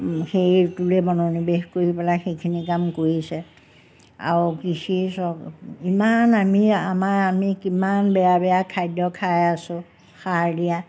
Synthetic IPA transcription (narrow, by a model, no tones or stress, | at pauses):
xejtulɛbɔnonibexkoɹipɛlaxejkʰinikamkoɹisɛ | a̰ɹkisisɔimanamiamaɹamikimanbɛjabɛjakʰajdɔkʰajasʊ̃ | xaɹdija